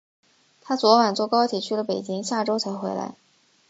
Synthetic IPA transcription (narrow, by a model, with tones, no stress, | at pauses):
t̪ʰa˥t͡swɔ˧˥wa˨˩nt͡swɔ˥˩kɑ˥ʊt̪ʰi˨˩t͡ɕʰy˥˩lə˩pe˨˩ɪt͡ɕi˥ŋɕja˥˩ʈ͡ʂo˥ʊt͡sʰa˧˥ɪxwe˧˥ɪla̰˧˥ɪ